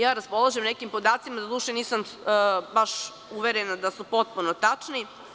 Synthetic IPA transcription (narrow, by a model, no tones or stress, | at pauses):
jaːɾaspo̞lˠaʒemnekimpo̞d̪aːt̪simad̪ad̪uːʃeniːsambaʃ | uʋeɾenad̪asupo̞t̪̚punot̪at͡ʂni